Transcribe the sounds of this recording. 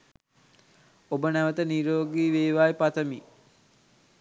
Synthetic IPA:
obənæʋət̪əniɾoːɡiːʋeːʋaːipat̪əmi

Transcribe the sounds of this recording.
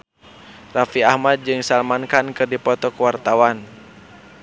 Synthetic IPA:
rafiahmad̪̚d͡ʒɨŋsalmankankɨrdipɔt̪ɔkəwart̪awan

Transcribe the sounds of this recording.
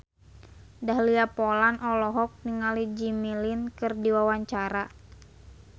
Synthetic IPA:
daɦliapɔlanʔɔlɔɦɔk̚niŋalid͡ʒimilinkɨrdiwawaɲt͡ʃaɾa

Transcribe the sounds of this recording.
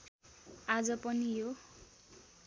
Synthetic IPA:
ad͡zʌpʌnijo

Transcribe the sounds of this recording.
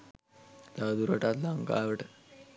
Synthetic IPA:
d̪ad̪uɾəʈat̪laŋka̰ʋəʈ

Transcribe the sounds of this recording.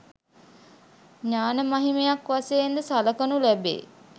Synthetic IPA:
ɲaːnəmaɦimejakʋaseːnd̪əsaləkənulæbḛː

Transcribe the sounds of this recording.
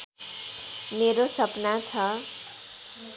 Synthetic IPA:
meɾosʌpnat͡sʰʌ

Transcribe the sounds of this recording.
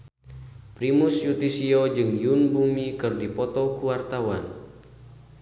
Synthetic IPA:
pɾimusjut̪isiod͡ʒɨŋjunbumikɨrdipɔt̪ɔkuwart̪awan

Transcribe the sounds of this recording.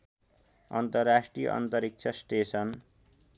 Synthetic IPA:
ʌnt̪ʌrːasʈrijʌ̰ʔʌ̰nt̪ʌɾik̚t͡ʃʰʌsʈesʌn

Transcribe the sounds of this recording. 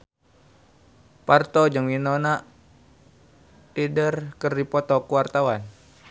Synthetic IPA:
part̪ɔd͡ʒɨŋminɔnaʔ | tidərkərdipɔt̪ɔkuwart̪awan

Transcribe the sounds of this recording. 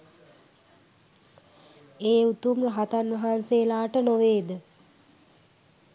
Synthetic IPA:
eːut̪umrəɦat̪anʋɐɦanseːlaːʈənoʋeːd̪ə

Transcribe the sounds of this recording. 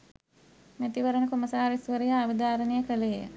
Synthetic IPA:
mæt̪iʋəɾənəkomɐsaːɾisʋəɾijaːʋəd̪aːɾənejəkəlejə̰

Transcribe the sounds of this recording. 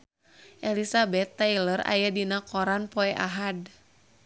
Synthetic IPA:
ʔɛlisabɛt̪ːailərʔa̰jadinakɔɾanpɔɛʔaɦad

